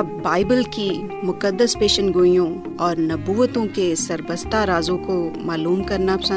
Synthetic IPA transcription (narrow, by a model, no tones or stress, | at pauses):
baːɪbəlkimʊkəd̪ːəspeːʃənɡoːijõ | ɔːɾnɐbuːʋt̪õkesɐɾbəst̪aɾaːzõkomaːluːmkɐɾnapsə̃